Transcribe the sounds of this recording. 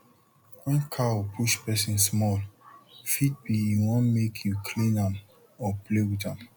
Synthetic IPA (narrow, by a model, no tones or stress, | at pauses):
wɛ̃nkʰaupʰuʃpɛsĩnsmɔlfit̚biiwɔ̃nmekʰjukʰlĩnãm | ɔplewitãm